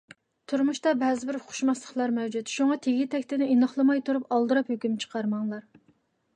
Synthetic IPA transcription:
t̪ʰuɾmuʃt̪ɑbɛzɪbɪɾχʰʊ̥ʃmɑslˠəχlˠɑɾmɛwd͡ʒut̪ʃuŋɑt̪ʰeɡʲit̪ʰɛkʲt̪ɪnɪinɑχlˠɨmɑjt̪ʰuɾupɑlˠd̪ɨɾɑphøkʲymt͡ʃʰə̥qʰɑɾmɑŋlˠɑɾ

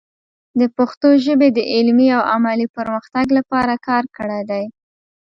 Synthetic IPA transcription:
d̪əpaxt̪oʒəbed̪əʔɪlmiawa̰malipəɾməxt̪aɡlapɑɾakɑɾkəɽajd̪aj

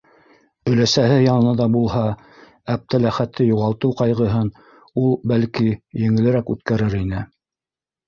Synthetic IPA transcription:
ɵ̆læsæɦɘjɑnɤ̆nɑd̪ɑbulˠhɑ | æp̚t̪ʰælæχæt̪ʰːɘjuʁɑlˠt̪ɤwqɑjʁɤ̆ɦɤn | ulˠbælkijɘ̆ŋɘ̆lɘ̆ɾækʉt̪kæɾɘɾinɘ

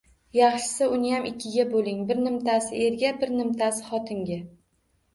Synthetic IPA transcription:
jɑχʃɪ̥sɪʊnɪjamʔɪkʲʰːɪɡʲabolˠɪŋbɪɾnɪmt̪ʰasɪe̞ɾɡʲabɪɾnɪmt̪ʰasɪ̥χɒt̪ʰɪŋɡʲa

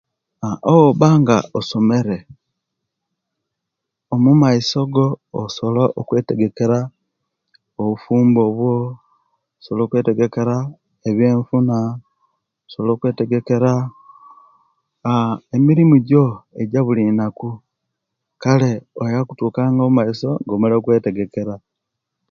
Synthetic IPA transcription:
aooβaːŋɡaoso̞me̞ɾe̞ | omumaiso̞ɡo̞ːsoloʔokwe̞ːte̞ɡe̞keɾa | oβufuːmbo̞βwo̞ | solo̞ːkwe̞ːte̞ɡe̞ke̞ɾa | eβjeːɱfuna | osolo̞ːkwe̞ːte̞ɡe̞ke̞ɾa | emiɾimuɟo̞eɟaβulinaku | kale̞ojaku̥tuːkaːŋɡoumaiso̞ɡomulokwe̞ːte̞ɡe̞ke̞ɾa

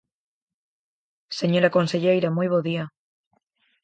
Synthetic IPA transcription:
seɲoɾakonseʎejɾamujβoðia

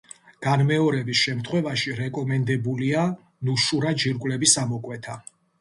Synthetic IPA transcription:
ɡ̥anmɛɔɾɛbisʃɛmt̪ʰχwɛvaʃiɾɛkʼɔmɛnd̪ɛbulia | nuʃuɾad͡ʒiɾkʼwlɛbisamɔkʼwɛt̪ʰa

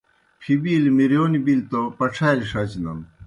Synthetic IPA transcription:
pʰibiːlmiɾjoːnibilt̪opɐʈ͡ʂʰajlʂɐt͡ɕnɐn

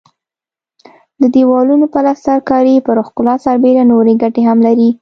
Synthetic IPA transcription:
d̪əd̪ewɑlunopalassaɾkɑɾipəɾoxkʊlɑsaɾbeɾanoɾeɡaʈeɦamlaɾi

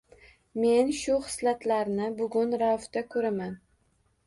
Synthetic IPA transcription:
me̞nʃʊχɨ̥slat̪laɾnɪbʊɡʲʊnɾaft̪akʰɵɾaman

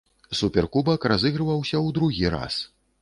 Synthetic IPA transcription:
supʲɛrkubɐkrazɨɣɾɨvɐwsʲɐwd̪ɾuɣʲiɾa̰s

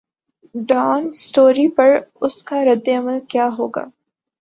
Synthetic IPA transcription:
ɖɔːnsʈoːɾipɐɾʊskaɾɐd̪ːeɐməlkjaːɦoːɡa̰ː

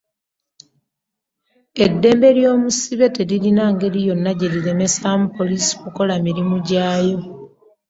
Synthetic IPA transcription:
edːe̞ːmbe̞ɾjo̞ːmusiβe̞teliɾinaŋɡe̞lijo̞nːaɟeɾiɾe̞me̞saːmupo̞lisi̥kuko̞lamiɾimuɟaːjo̞

